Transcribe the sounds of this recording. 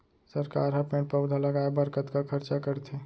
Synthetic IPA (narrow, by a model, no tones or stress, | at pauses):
səɾkaɾɦəpẽɳʈ̚pəʊd̪ʱaləɡaebəɾkət̪kakʰəɾt͡ʃakəɾt̪ʰe